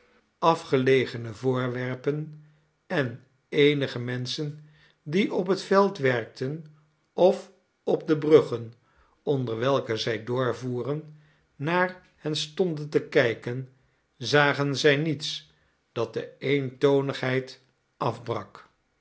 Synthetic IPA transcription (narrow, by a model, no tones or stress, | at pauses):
ɑfχəlejχənəvʊːɹʋɛɹpən | ɛn | ejnəχəmɛnsən | diʔɔp̬ɦətfɛlˠtʋɛrk̚tən | ɔf | ɔb̚dəbrɵχən | ɔndəɹʋɛlˠkəzɛjdʊːɹvuːrənː | aːɹ | hɛnstɔndəntəkɛjkən | zaːχənzɛjnits | d̥ɑt̚dəejntownəχɦɛjt | ɑfbrɑk